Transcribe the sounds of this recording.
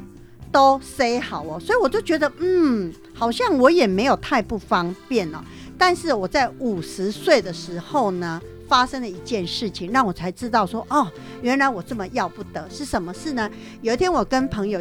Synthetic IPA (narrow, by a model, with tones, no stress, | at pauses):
t̪o˥ʊse˥ɪxɑ˨˩ʊɔ˨˦swɔ˧˥i˨wɔ˨˩t͡ɕjo˥˩ʊt͡ɕɥɛ˧˥d̪ə˧m̩˥˩ | xɑ˨˩ʊɕjɑ˥˩ŋwɔ˧˥jɛ˨˩me˧˥ɪjo˨˩ʊt̪ʰa˥˧ɪpu˥˩fɑ˥ŋpjɛ˥˨nə˨˩ | t̪a˥˧nʂɻ̩˥˩wɔ˨˩t͡sa˥˩ɪu˨˩ʂɻ̩˧˦swe˥˩ɪd̪ə˩ʂɻ̩˧˥xo˥˩ʊnə˩ | fa˥ʂə˥ŋlə˨i˧˥t͡ɕjɛ˥˧nʂɻ̩˥˩t͡ɕʰi˨˩ŋɻɑ˥˩ŋwɔ˨˩t͡sʰa˧˥ɪʈ͡ʂɻ̩˥t̪ɑ˥˩ʊʂwɔ˥ʔɔ˥˩ | ɥɛ˧˥nɻa˧˥ɪwɔ˨˩ʈ͡ʂə˥˩mə˨˩jɑ˥˧ʊpu˥˩t̪ə˨˦ʂɻ̩˥˩ʂə˧˩nmə˧ʂɻ̩˥˩nə˩ | jo˨ʊi˥t̪ʰjɛ˥nwɔ˨˩kə˦˥npʰə˧˥ŋjo˨˩